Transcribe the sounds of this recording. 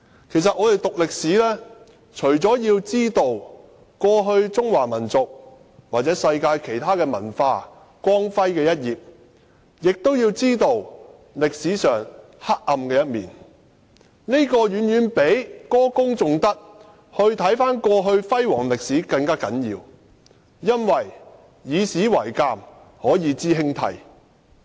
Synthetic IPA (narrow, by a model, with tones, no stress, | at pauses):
kʰe˨˩jsɐ˨t̚ʔɔː˨˧t̪e˨˩jt̪ʊ˨k̚lɪ˨k̚siː˨˥lɛː˥ | t͡ʃʰɵ˨˩ɥt͡sɔː˨˥jiː˧wt͡siː˥t̪o˨˧w | kɔː˧ɦɵ˧ɥt͡sʊ˥ŋwaː˨˩mɐ˨˩nt͡sʊ˨k̚ | waː˨t̚t͡sɛː˨˥sɐ˧jkaː˧jkʰe˨˩jt̪ʰaː˥kɛː˧mɐ̰˨˩nfaː˧ | kʷwɔː˥ŋfɐ˥jkɛː˧jɐ˥t̚jiː˨p̚ | jɪ˨k̚t̪o˥wjiː˧wt͡siː˥t̪o˧w | lɪ˨k̚siː˨˥sœː˨˩ŋ | ha˥k̚ːɐ˧mkɛː˧jɐ˥t̚miː˨˩n | ne˥kɔː˧jyː˨˧njyː˨˧npe˨˥jkɔː˥kʊ˥ŋt͡sʊ˨ŋt̪ɐ˥k̚ | hɵ˧ɥt̪ʰɐ˨˥jfaː˥nkɔː˧ɦɵ˧ɥfɐ˥jwɔ̰ː˨˩ŋlɪ˨k̚siː˨˥kɐ˧ŋkaː˥kɐ˨˥njiː˧w | jɐ˥nwɐ˨j | jiː˨˧siː˨˥wɐ˨˩jkaː˧m | hɔː˨˥jiː˨˧t͡siː˥ɦɪ˥ŋt̪ʰɐ̰˧˥j